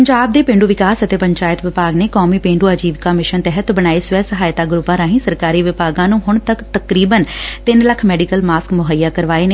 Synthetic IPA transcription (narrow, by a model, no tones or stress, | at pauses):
pəɲd͡ʒaːb̚d̪eːpẽːɳɖuːʋɪkaːsət̪eːpəɲt͡ʃaːjət̪ʋɪpaːɡneːkoːmiːpẽːɳɖuːaːd͡ʒiːʋkaːmɪʃənt̪ɛɦət̪bəñaːeːsʊʋɛːsəɦaːjt̪aːɡɾʊpːãːɾaːɦĩːsəɾkaːɾiːʋɪpaːɡãːnũːɦʊɳt̪əkt̪əkɾiːbənt̪ɪnləkʰmɛːɖikəlmaːskmʊɦəjːaːkəɾʋaːeːneː